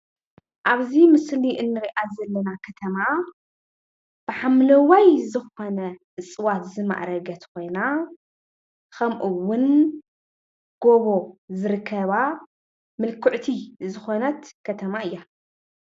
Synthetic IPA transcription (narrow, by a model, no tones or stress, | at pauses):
ʔaβzimɨsliʔɨnːɨɾiʔazɐlːɐnakʰɐt̪ʰɐma | b̥ɨħamlɐwajzɨxo̞nɐ | ɨt͡sʼɨwat̪zɨma̰ʔɾɐɡɐt̪kʰo̞jna | kʰɐmʔuwːʊn | ɡ̥oβo̞zɨɾɨkʰːɐβa | mɨlkʰɨʕt̪ʰizɨxo̞nɐt̪kʰɐt̪ʰɐmaɨjːa